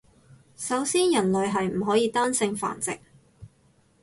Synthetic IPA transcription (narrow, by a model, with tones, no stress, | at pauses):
sɐ˨˥wsiː˥njɐ˨˩nlɵ˨ɥɦɐ˨jm̩˨˩ɦɔː˨˥jiː˧t̪aː˥nsɪ˧ŋfa̰ː˨˩nt͡sɪ̰˨k̚